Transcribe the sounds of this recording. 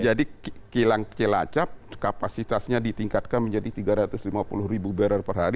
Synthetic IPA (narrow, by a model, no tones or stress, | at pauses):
d͡ʒadikilaŋkela̰t͡ʃap̚kapasit̪asɲadit̪iŋkat̪̚kanməɲd͡ʒadit̪iɡaɾat̪ʊslimapṵlʊhribubɛɾarpərɦaɾi